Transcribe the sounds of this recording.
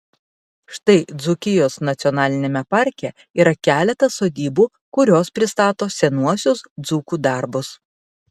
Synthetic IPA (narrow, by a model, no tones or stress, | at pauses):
ʃt̪ɐɪd̪zʊkʲɪjoːsnɐt̪sʲɪɔnɑːlʲɪnʲeːmʲɛpɐɾʲkʲɛ | iːɾɐkʲæːlʲɛt̪ɐsoːd̪ʲiːbuː | kʊɾʲoːspʲɾʲɪst̪ɑːt̪oːsʲɛnuɔsʲʊsd̪zuːkuːd̪ɑˑɾbʊs